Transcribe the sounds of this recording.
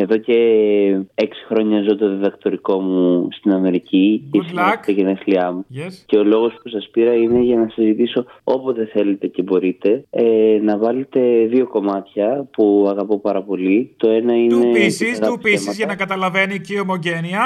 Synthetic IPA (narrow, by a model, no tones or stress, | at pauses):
eðo̞ce̞ | eksi̥xɾo̞ɲɐzot̪o̞ðiðɐkt̪o̞ɾiko̞must̪inɐme̞ɾicicesieʝeneθliɐmusce̞o̞lo̞ɣo̞spusɐspiɾɐine̞ʝɐnɐsizit̪iso̞o̞pozðe̞θe̞le̞t̪e̞ce̞bo̞ɾit̪e̞enɐvɐlet̪e̞ðio̞ko̞mɐt̪çɐpuɐɣɐpo̞pɐɾɐpo̞lit̪o̞e̞nɐinesiɣɐimɐzʝɐnɐkɐt̪ɐlɐveniciomoʝeniɐ